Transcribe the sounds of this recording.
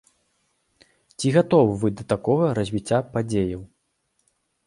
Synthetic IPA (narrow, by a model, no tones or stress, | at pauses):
t͡sʲiɣat̪ɔwvɨd̪ɐt̪akɔɣɐɾɐzʲvʲit͡sʲːapad͡zʲejɐw